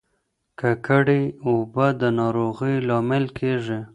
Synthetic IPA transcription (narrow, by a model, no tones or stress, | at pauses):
kəkəɽiobəd̪ənɑɾoɣəjlɑmɪlkʰeʐi